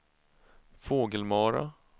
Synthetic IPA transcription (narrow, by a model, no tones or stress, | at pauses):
foːɡəlmɑːɾa̰